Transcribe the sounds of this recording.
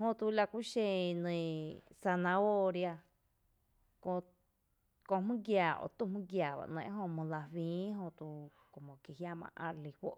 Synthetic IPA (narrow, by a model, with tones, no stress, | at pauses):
hõ˧t̪u˧la˧kʷi˦ʃẽ˧nẽ˧˨sa˧nã˧o˦˧ɾja˧ | kõ˧ | kõ˧mɨ̃˦ɡjaː˨ʔo̰˧˨t̪u˧˨mɨ̃˦ɡjaː˨βa̰˧ʔnḛ̃˧˦ʔɦõ˧mõ˧la˧wĩː˨˦ɦõ˧t̪u˧ | ko˨mõ˨kje˨ɦja˧mã̰˧ʔã̰˧ɾli˧ɸo̰˦ʔ